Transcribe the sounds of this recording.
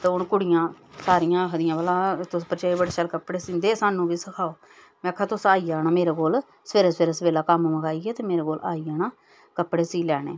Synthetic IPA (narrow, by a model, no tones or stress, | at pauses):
t̪eːʊɳkʊɽɪjãː | saːɾijãːkʰd̪ɪjãːʋəlãːt̪ʊspəɾt͡ʃaːiːbəɽeːt͡ʃəlkəpɽeːsĩːnd̪eːsaːnũːʋiːsəkʰaːoː | mɛ̃ːkʰːaːt̪ʊsaːiːaːnaːmeːɾaːkoːl | speːɾəseːɾəsbeːlaːkamməɡaːiɡɛːt̪eːmeːɾeːkoːlaːiːaːnaː | kəpɽeːsiːlɛːɽḛː